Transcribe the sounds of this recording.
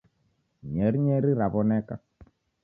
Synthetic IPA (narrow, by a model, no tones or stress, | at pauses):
ɲɛɾiɲɛɾiɾaβɔnɛka